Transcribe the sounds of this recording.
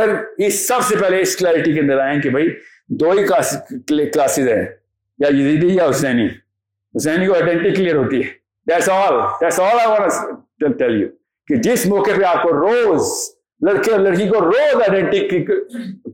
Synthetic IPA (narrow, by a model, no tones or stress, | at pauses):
əɾɪsːɐbsepɛɦleɪsklɛːɾɪʈik̬eɐ̃nd̪əɾaːẽkibʱai | d̪oːikasklaːsɪzɦɛ̰̃ː | jajɪzid̪ijaʊsɛːni | ʊsɛːnikoaɪɖɛ̃ɳʈɪkːlijəɾɦoːt̪iɦɛː | d̪æʈsɔːld̪æʈsɔːlaɪʋãːnɐ | ʈɛljṵ | kid͡ʒɪsmɔːkepeaːp̚koɾoːz | lɐɽkiɔlɐɽkikoɾoːzaɪɖɛ̃ɳʈɪkk